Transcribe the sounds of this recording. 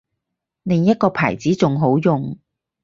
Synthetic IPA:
lɪ˨˧ŋjɐ˥t̚kɔː˧pʰaː˨˩jt͡siː˨˥t͡sʊ˨ŋɦo˨˥wjʊ˨ŋ

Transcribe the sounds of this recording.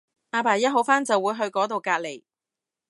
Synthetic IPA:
aː˨˧paː˨˩jɐ˥t̚ɦo˨˥wfaː˥nt͡sɐ˨wːuː˨˧jɦɵ˧ɥkɔː˨˥t̪̬o˨wkaː˧t̚le˨˩j

